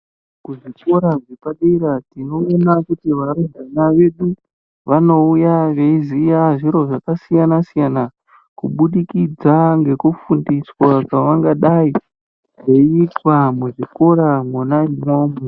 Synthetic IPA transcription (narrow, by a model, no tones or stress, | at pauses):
kuʐiko̞ɾaɡepaɗiɾatino̞ːnakutiʋaɾudanaʋe̞ɗu | ʋano̞ujaʋeizijaʐiɾo̞ʐakasijanasijana | kuɓuɗikid͡zaŋɡe̞kufundiswakaʋaŋɡaɗai | ʐeiːtwamuʐiko̞ɾamunaimomu